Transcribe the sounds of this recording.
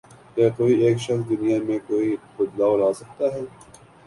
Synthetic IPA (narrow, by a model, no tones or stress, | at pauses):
kakoːieːkʃɐxsd̪ʊnijamẽkoːixʊd̪laːwɾaːsɐk̚t̪aɦɛː